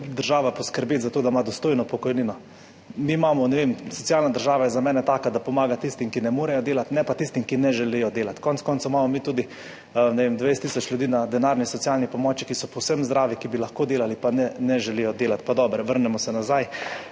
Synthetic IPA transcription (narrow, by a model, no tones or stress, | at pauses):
d̪əɾʒaːʋapɔskəɾbeːt̪zat̪oːd̪amad̪ɔst̪oːjnɔpɔkɔjniːnɔ | miːmaːmɔnɛʋemsɔtsijalnad̪əɾʒaːʋajɛzamɛːnɛt̪aːkad̪apɔmaːɡat̪ist̪imkinɛmoːɾɛjɔd̪eːlat̪nɛpat̪ist̪imkinɛʒɛlijɔd̪eːlat̪kɔnskɔːnsamamɔmiːt̪uːd̪i | nɛʋemd̪ʋejst̪isɔt͡ʃlʲjud̪iːnad̪ɛnaːɾnisɔt̪sialnipɔmɔːt͡ʃikisɔpɔwsəmzd̪ɾaːʋikibilaxkoːd̪eːlalipanɛnɛʒɛlijɔd̪eːlat̪pad̪ɔːbɾɛʋəɾnɛmɔsɛnazaj